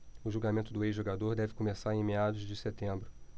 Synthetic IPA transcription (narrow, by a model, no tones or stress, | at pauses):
ʊʒulɡamẽnt̪ʊd̪ʊejzʒoɡad̪oɾd̪ɛvɪkomesaɾẽj̃mead̪ʊzd͡ʒɪset̪ẽmbɾʊ